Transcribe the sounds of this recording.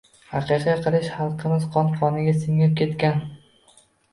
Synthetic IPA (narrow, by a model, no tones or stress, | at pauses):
hɑqɨqʰɑjqʰɨlˠɪʃχɑlˠqʰɨmɪz̥qʰɒnqʰɒnɪɡʲasɪŋɪp̚kʲe̞t̪kʲan